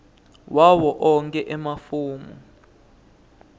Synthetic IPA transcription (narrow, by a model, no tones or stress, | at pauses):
wawɔʔɔŋkʼɛʔɛmafuːmṵ